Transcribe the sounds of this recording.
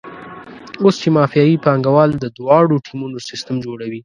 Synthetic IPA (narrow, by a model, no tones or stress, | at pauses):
ost͡ʃemɑfijɑjipɑŋɡawɑld̪əd̪wɑɽoʈʰimunosɪst̪əmd͡ʒoɽawi